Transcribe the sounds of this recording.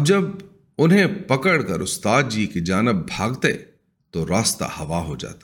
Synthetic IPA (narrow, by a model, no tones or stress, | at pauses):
b̚d͡ʒɐb | ʊnɦẽpɐkəɽkɐɾʊst̪aːd̪̚d͡ʒiːkid͡ʒaːnɪbbʱaːɡt̪ḛ | t̪oɾaːst̪a̰hɐʋaɦod͡ʒa̰ːt̪ḁ